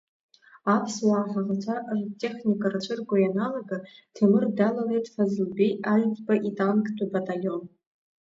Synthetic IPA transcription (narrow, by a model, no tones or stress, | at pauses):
apʰswaːχaʁat͡ʃʷʰaʔaʒʷtʰʼːe̞χnikʼart͡ʃʷʰɨrɡʷajanaloɡatʰɨmɨrdalalejtʼfazɨlbejalpʼbaʔitʼankʼdʰʼubatʼalo̞n